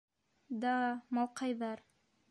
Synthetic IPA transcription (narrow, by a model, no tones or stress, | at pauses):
d̪ɑmɑlˠqɑjðɑɾ